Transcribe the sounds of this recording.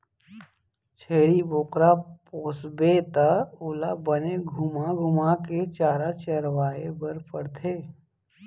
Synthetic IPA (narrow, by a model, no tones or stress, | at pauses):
t͡ʃʰeːɾiboːqɾapoːsbet̪aʊːlabəneɡʱʊmaɡʱʊmaket͡ʃaːɾat͡ʃəɾwaːebəɾpəɾt̪ʰeː